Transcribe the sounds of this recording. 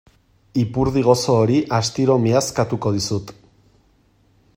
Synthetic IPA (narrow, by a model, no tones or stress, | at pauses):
ipuɾð̞iɣ̞o̞so̞ːɾiʔast̪iɾo̞miaskat̪uko̞ð̞isut̪